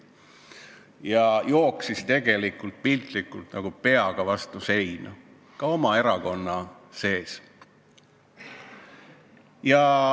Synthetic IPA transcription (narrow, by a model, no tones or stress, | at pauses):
jɑjo̞ːksist̪e̞ɡ̥e̞likːˑult̪̚pilt̪likːˑult̪nɑɡ̥upe̞ɑɡ̥ɑvɑst̪use̞jnɑ | kɑo̞mɑe̞ɾɑko̞nːɑ | se̞ːs | jɑ